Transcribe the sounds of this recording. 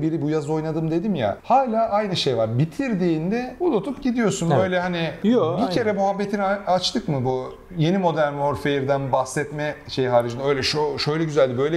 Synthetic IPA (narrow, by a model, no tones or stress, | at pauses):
biɾibujazo̞jnad̪ɯmd̪ed̪imja̰haːlʲaːʔajnɯʃejvaɾbit̪ʰiɾd̪iːnd̪ɛbulˠot̪ʰupɟid̪ijo̞sunbø̞jlʲɛɦanijobicʰe̞ɾɛmuɦabːet̪ʰinat͡ʃt̪ʰɯkmɯbu | je̞nimo̞d̪æɾnhoɾfejiɾd̪ænbahsɛt̪mɛʃe̞jɦaːɾid͡ʒɯnø̞jlʲɛʃoʃø̞jlʲɛɟyzælʲibø̞jlʲɛ